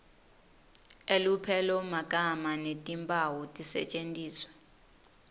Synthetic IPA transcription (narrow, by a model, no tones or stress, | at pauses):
elupʰɛlɔmakʼamanetʼimpʼawutʼisɛ̰t͡ʃʼentʼiːswɛ̥